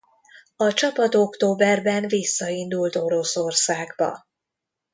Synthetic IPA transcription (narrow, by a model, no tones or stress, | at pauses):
ɒt͡ʃɒpɒt̪o̞kt̪oːbɛrbɛnvisːɒind̪ult̪o̞ɾo̞so̞rsaːɡbɒ̰